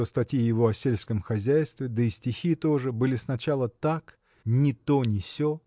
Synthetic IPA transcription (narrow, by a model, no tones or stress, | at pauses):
ost̪ɐtʲjijɪvo̞ɐsʲelʲskəmxɐzʲæjst̪vʲɪd̪əɪsʲtʲɪxʲit̪o̞ʐɨbɨlʲɪsnɐt͡ɕalˠət̪ak | nʲɪt̪o̞nʲɪsʲo